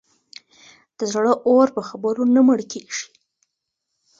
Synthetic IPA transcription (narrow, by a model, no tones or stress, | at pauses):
d̪̥əzɽəʔoɾpəxabəɾonaməɽkʰeʒ̥i̥